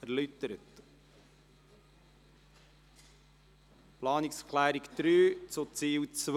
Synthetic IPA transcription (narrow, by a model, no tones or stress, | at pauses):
æɾlytəɾət | plɑːnɪkskʰlæːɾikd̪̥ɾyːt͡sʊt͡siːwt͡sʋ